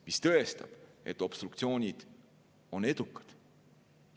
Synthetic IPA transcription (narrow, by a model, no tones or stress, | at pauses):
mist̪ɤ̞est̪ɑ̰b̥e̞t̪ːˑo̞b̥st̪rukt̪sio̞ːnʲid̪̥ | o̞ne̞d̪̥ukːˑɑ̥d̪̥